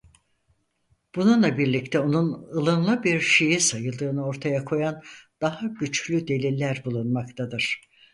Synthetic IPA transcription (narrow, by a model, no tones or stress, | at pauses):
b̥ununlˠabiɾlʲict̪ʰɛo̞nunɯlˠɯnlˠɯbiɾʃe̞jisajɯlˠd̪ɯːnɯo̞ɾt̪ʰajakʰo̞jand̪̥aɦaɟyt͡ʃlʲyd̪e̞lʲilʲːæɾbulˠunmakt̪ʰad̪ɯɾ̥